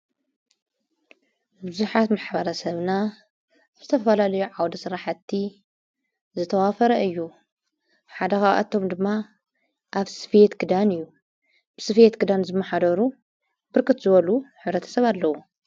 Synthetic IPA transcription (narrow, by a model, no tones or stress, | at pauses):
bɨzuħat̪maħbɐɾɐsɐβna | z̥ɨt̪ʰɐfɐlalɐjuʕawd̪ɐsɨɾaħat̪ʰːi | zɨt̪ʰɐwafɐɾɐɨjːu | ħad̪ɐxaʔa̰t̪ʰːo̞md̪ɨmːa | ʔaβsɨ̥fjet̪ɡɨd̪anɨjːu | b̥ɨsɨfjet̪ɡɨd̪anzɨmːɐħad̪ɐɾu | bɨɾkʰɨt̪zɨβɐluħɨβɾɐt̪ʰɐ̥sɐβalːɐwu